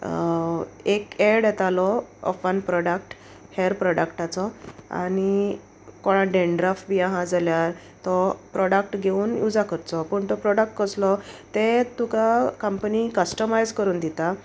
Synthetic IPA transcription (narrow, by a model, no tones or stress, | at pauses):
ekeɽɛt̪alɔɔ̰fanpɾɔɽak̚ʈ | heɾpɾɔɽəkʈat͡sɔa̰ñi | kɔɽ̃aɖeɳɖɾafbiãɦãd͡zaljaɾ | t̪ɔpɾɔɽak̚ʈɡʱeuːnjud͡zakəɾt͡sɔpəɳt̪ɔpɾɔɽək̚ʈkəslɔt̪et̪ukakəmpənikəsʈəmajd͡zkəɾuːnd̪it̪a